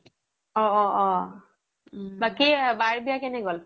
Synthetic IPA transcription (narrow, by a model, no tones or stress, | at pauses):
ɔɔʔɔ | bakibaɹbijakɛnɛɡɔl